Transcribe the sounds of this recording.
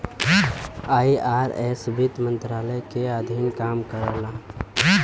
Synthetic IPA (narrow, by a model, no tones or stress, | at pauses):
aːiʔaːɾɛ̰sbit̪mə̃nt̪ɾaːləjkead̪ʱinkaːmkəɾəlã